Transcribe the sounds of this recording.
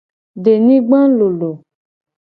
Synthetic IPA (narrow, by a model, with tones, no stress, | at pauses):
ɖe˨nĩ˦ɡ͡bã˦lo˨lo˨